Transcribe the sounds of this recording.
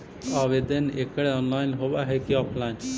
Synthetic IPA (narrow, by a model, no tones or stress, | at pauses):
aːʋed̪ənḛkɽeɔ̃ːnlaːɪnɦoːʋaɦekiɔːpʰlaːɪn